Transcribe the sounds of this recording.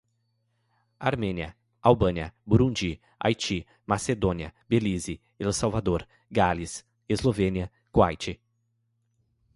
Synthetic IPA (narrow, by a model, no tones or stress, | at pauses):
aɾmẽniɐ | awbɐ̃niɐbuɾũnd͡ʒi | a̰jt͡ʃi | mased̪õniɐbelizi | elosawvad̪oɾ | ɡalis | ezlovẽniɐ | kwa̰jt͡ʃɪ